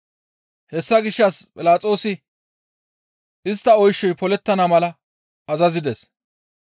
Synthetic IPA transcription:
hɛsːɐɡɪʃːɐspʼɪlaːt͡sʼo̞ːsɪ | ʔɪst̪ːɐɔjʃːɔjpɔlɛt̪ːɐnɐmɐlɐ | ɐzɐzɪd̪ɛs

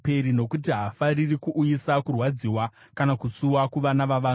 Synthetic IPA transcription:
pe̞ɾino̞kutiɦafaririkuʔːjisakurwad͡ziːwa | kanakusuwakuʋanaʋaʋaːn

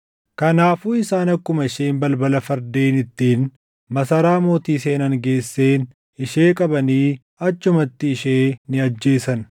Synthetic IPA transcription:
kɐnaːfuːɪsaːnɐkːʊmɐɪʃeːnbɐlbɐlɐfɐɾd̪e̞ːnɪt̪ːiːn | mɐsɐɾaːmo̞ːt̪iːse̞ːnɐŋɡe̞ːsːeːn | ɪʃe̞ːkʼɐbɐniː | ɐt͡ʃːʊmɐt̪ːɪɪʃeːnɪɐd͡ʒːe̞ːsɐn

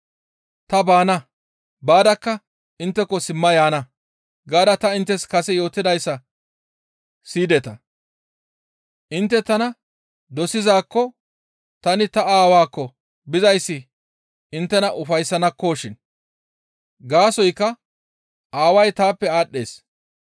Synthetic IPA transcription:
t̪ɐbaːnɐ | baːd̪ɐkːɐ | ɪnt̪ːɛkːɔsɪmːɐjaːnɐ | ɡaːd̪ɐt̪ɐɪnt̪ːɛskɐsɛjo̞ːt̪ːɪd̪ɐjsːɐ | siːd̪ɛt̪ɐ | ʔɪnt̪ːɛt̪ɐnɐ | d̪ɔsɪzaːkːɔ | t̪ɐnɪt̪ɐaːwaːkːɔ | bɪzɐjsːɪ | ɪnt̪ːɛnɐʔʊfɐjsːɐnɐkːoːʃɪn | ɡaːsɔjkːɐ | aːwɐjt̪aːpːɛaːɗːe̞̰ːs

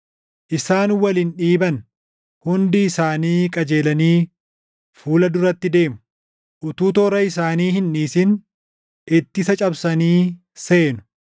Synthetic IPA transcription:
ʔɪsaːnwɐlɪnᶑiːbɐn | hʊnd̪ɪːsaːniːkʼɐd͡ʒe̞ːlɐniː | fuːlɐd̪ʊɾɐt̪ːɪd̪e̞ːmʊ | ʔʊt̪uːt̪oːɾɐɪsaːniːhɪnᶑiːsɪn | ʔɪt̪ːɪsɐt͡ʃʼɐbsɐniː | se̞ːnʊ̥

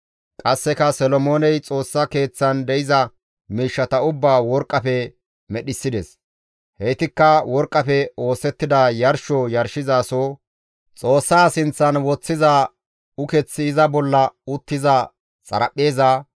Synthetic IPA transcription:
kʼɐsːɛkɐsɔlɔmo̞ːnɛjt͡sʼo̞ːsːɐke̞ːt͡sːɐnd̪ɛjɪzɐ | miːʃːɐt̪ɐʊbːaːwɔɾkʼːɐfɛ | mɛɗɪsːɪd̪ɛs | hɛjt̪ɪkːɐwɔɾkʼːɐpɛo̞ːsɛt̪ːɪd̪ajɐɾʃɔjɐɾʃɪzaːsoː | t͡sʼo̞ːsːaːsɪnt͡sːɐnwɔt͡sːɪzaː | ʊkɛt͡sːɪːzɐbɔlːɐʊt̪ːɪzɐ | t͡sʼɐ̰ɾɐpʼːeːzaː

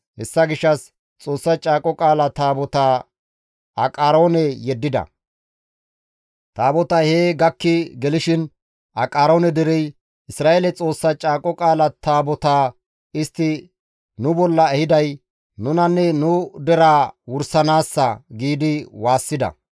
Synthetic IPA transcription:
hɛsːɐɡɪʃːɐs | t͡sʼo̞ːsːɐt͡ʃʼaːkʼɔkʼaːlɐt̪aːbɔt̪aː | ʔɐkʼaːɾo̞ːnɛjɛd̪ːɪd̪ɐ̰ | t̪aːbɔt̪ɐheːɡɐkːɪɡɛlɪʃɪn | ʔɐkʼaːɾo̞ːnɛd̪ɛɾɛj | ɪsɾaːʔelɛt͡sʼo̞ːsːɐt͡ʃʼaːkʼɔkʼaːlɐt̪aːbɔt̪aː | ɪst̪ːɪ | nʊbɔlːɐɛhɪd̪ɐj | nʊnɐnːɛnʊd̪ɛɾaːwʊɾsɐnaːsːɐɡiːd̪ɪwaːsːɪd̪ɐ̰

